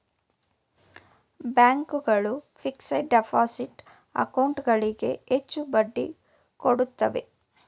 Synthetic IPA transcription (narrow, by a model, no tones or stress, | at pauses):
bjaːŋkuɡɐɭupʰiksɐɖepʰaːsiʈ | ɐ̰kɐwɳʈɡɐɭiɡe̞̰et͡ʃːubɐɖːḭ | koɽut̪ːɐʋe